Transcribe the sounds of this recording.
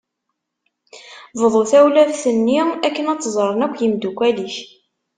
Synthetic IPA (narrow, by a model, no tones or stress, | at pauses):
vəðˤoθæwlæðθənːiækːənæt͡sːzˤəɾˤənækʷːjimd̪ukʷːæliç